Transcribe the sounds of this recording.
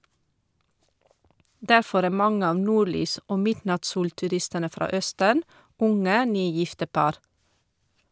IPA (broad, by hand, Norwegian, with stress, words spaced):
ˈdæɾˌfɔɾ ˈæː ˈmɑŋə ˈɑːʋ ˈnuːɾˌlyːs ˈʔoː ˈmɪdnɑtˌsuːltʉˌɾɪstənə ˈfɾɑ ˈœstən ˈʊŋə ˈnyːˌjɪftə ˈpɑɾ